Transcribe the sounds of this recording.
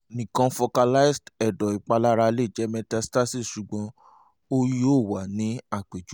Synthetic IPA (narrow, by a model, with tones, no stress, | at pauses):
nĩ˨kã˧fo˧ka˧la˦i˦˨stɛ˨dɔ˨i˨k͡pa˧la˦ɾa˧le˦˨d͡ʒɛ˨˦mɛ̃˧ta˧sta˦si˦˨ʃu˨ɡ͡bɔ̃˧ | o˦o˦˨wa˨nĩ˨˦a˦˨k͡pe˨d͡ʒu˨˦